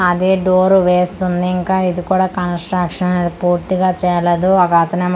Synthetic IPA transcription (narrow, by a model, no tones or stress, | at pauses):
ɐd̪eːɖoːɾuʋeːst̪und̪iːŋkaːid̪ikuːɽaːkɐnsʈɾɐkʂɐnɐneːd̪ipuːɾt̪iɡaːt͡ʃɛːlɐd̪uɐkɐɐt̪ɐneː